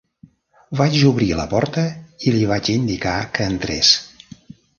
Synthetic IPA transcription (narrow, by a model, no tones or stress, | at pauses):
βad͡ʒuβɾilə̰pɔɾt̪əiliβ̞at͡ʃind̪ikakəːnt̪ɾḛs